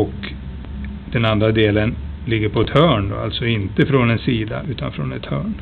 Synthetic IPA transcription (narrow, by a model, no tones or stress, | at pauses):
ɔk | d̪̥ɛnand̪ɾad̪eːlənlɪɡːəɾpʰɔɛt̪hœːɳd̪ɔ̰a̰lt̪sɔɪnt̪əfɾɔnɛnsiːd̪a̰ʉ̟ːt̪anfɾɔnɛt̪hœ̰ːɳ